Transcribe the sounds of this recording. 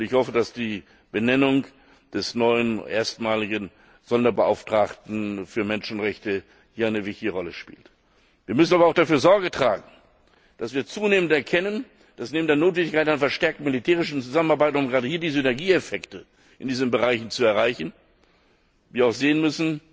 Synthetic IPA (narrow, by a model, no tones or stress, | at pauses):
ʊntɪçhɔfədasd̥iː | b̥ənɛnʊŋ | d̥ɛsnɔʏənʔḛːɐstmaːlɪɡən | z̥ɔndɐbəʔa̰ʊftʁ̥aːktn̩fyːɐmɛnʃn̩ʁɛçtə | hiːɐaɪnəvɪçtɪɡəʁɔləʃpḭːlt | viːɐmʏs̬n̩aːbɐaʊd̥afyːɐzɔɐɡətʁ̥a̰ːɡŋ̩ | d̥asv̥iːɐt͡suːneːməntɛɐkʰɛnən | d̥asneːmndeɐnoːtvɛndɪçkaɪtanfɛɐʃtɛɐk̚tn̩militʰeːʁɪʃn̩t͡suzamənaɐbaɪtʊmɡʁaːdəhiːɐdiːzənɛɐɡiːefɛktə | ʔɪndiːzənbəʁaɪçn̩t͡suɛɐʁaɪçn̩ | viːɐaʊxz̥eːənmʏsn̩